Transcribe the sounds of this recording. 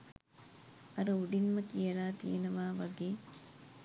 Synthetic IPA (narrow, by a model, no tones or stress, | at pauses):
ɐɾəuɖinməkijɐlaːt̪ḭjenɐʋaːʋaɡeː